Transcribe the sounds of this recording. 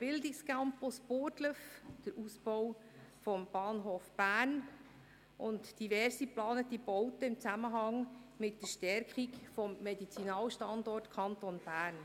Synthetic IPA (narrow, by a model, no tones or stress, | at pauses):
b̥ɪldɪkskampospoːɾtləfd̥əɾʔusb̥ɔw | fɔmb̥ɑːnɦoːfb̥æːrn | ʔʊntd̥ivɛɾsiplɑːnətibɔʊtəɪmt͡sæməɦɑŋmɪtdəʃtɛɾkχikfɔmːɛdit͡sinɑːlʃtɑndɔrtkʰɑntonb̥æːrn